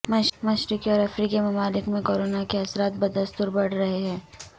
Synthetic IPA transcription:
mɐʃmɐʃɾɪkiɔːɾɐfɾiːkimɐmaːlɪkmẽkoːɾoːnakeɐsɾaːt̪̚bɐd̪əst̪ʊɾbɐɽ̤ɾɐɦeɦɛ̃ː

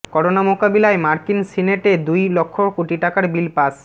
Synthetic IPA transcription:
kɔɾonamokabilaemaɾkinsineʈed̪ujlokʰːokoʈiʈakaɾbilpas

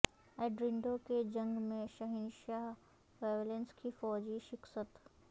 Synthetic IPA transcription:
ɛːɖɾɪɳɖoked͡ʑɐ̃ŋɡmẽʃɐɦɪnʃaːɦ | ʋeːʋlẽnskʰifɔːd͡ʑiʃɪksət̪

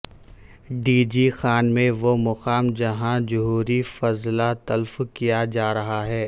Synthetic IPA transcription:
ɖiːd͡ʒixaːnmẽʋomʊqaːmd͡ʒɐɦãd͡ʒʊɦuːɾifɐzlat̪ɐlfkijad͡ʒaːɾɐɦaɦɛː

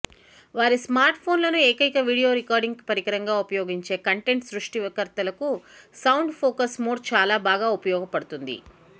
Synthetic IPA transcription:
ʋaːɾismaːɾʈpʰo̞ːnlɐnueːkɐjkɐʋiːɽijo̞ːɾikaːɾɖiŋɡpɐɾiɡɐɾɐŋɡaːupɐjoːɡiɲt͡ʃe̞ːkɐɳʈe̞ɳʈsɾuʂʈiʋɐkɐɾt̪ɐlɐkusɐwɳɖpʰoːkɐsmoːɖt͡ʃaːlaːbaːɡaːupɐjɔːɡɐpɐɽut̪und̪ḭ

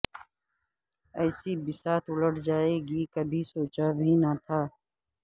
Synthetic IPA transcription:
ɛːsibɪsaːt̪ʰʊləʈʰd͡ʒaːeɡikəbʱisoːt͡ʃabʱinat̪ʰaː

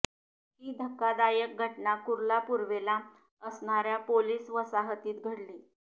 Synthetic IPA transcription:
ɦiːd̪ʱəkːad̪ajək̚ɡʱəʈɳakuɾlapuɾʋela | əsɳaɾjapoliːsʋəsaɦət̪iːt̪ɡʱəɽliː

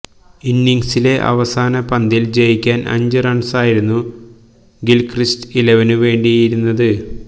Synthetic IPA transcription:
inːiŋsile̞ʔɐ̰ʋɐsaːnɐpɐnd̪ild͡ʑejikʲːaːnʔɐ̰ɲd͡ʑɨrɐɳsaːjiɾunːu | ɡilkristileʋɐnuʋe̞ːɳɖiɐjiɾunːɐðɨ

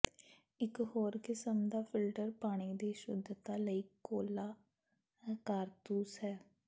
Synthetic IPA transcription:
ɪkhoːɾkɪsəmd̪aːpʰɪlʈəɾpaːɽ̃iːd̪eːʃʊd̪ʱt̪aːləiːkoːlaː | kaːɾt̪uːsɦɛː

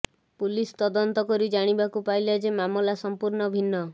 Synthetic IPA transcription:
pulist̪ɔd̪ɔnt̪ɔkɔɾid͡ʒaɽ̃ibakupajlad͡ʒemamɔlasɔmpuɾɳɔbʱinːɔ

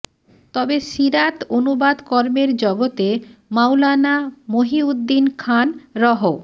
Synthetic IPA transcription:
t̪ɔbeʃiɾat̪onubad̪kɔɾmeɾd͡ʑɔɡot̪emawlanamoɦiud̪ːinkʰanɾɔɦo

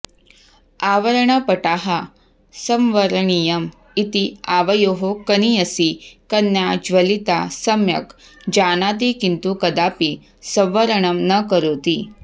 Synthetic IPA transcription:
aʋəɾɳəpəʈaɦa | səmʋəɾɳijɐm | it̪iaʋɐjoɦokəniəsikənjad͡ʑʋəlit̪asəmjɐ̰k | d͡ʑanat̪̬ikint̪ukɐd̪api | səmʋəɾəɳəmnəkəɾoːt̪iː

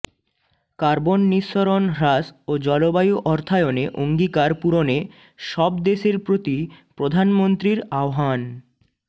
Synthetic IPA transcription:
kaɾbonːiʃːoɾonɾasod͡ʑɔlobajuʔɔɾt̪ʰaeoneʔoŋɡikaɾpuɾone | ʃɔb̚d̪eʃeɾpɾot̪ipɾod̪ʱanmont̪ɾiɾaoɦan

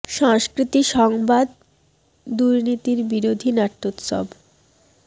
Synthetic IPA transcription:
ʃaŋskɾit̪iʃɔŋbad̪ | d̪uɾnit̪iɾbiɾod̪ʱinaʈ̪ːot̪ʃɔ̰b

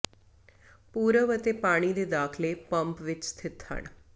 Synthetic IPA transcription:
puːɾəʋət̪eːpaːɽ̃iːd̪eːd̪aːkʰleːpəmpʋɪt͡ʃst̪ʰɪt̪hə̰ɳ̃

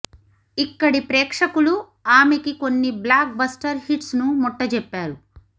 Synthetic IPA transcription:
ikːɐɽipɾeːkʂɐkuɭu | aːmekikonːiblaːk̚bɐsʈɐɾhiʈsnumɔʈːɐd͡ʒɛpːaːɾu

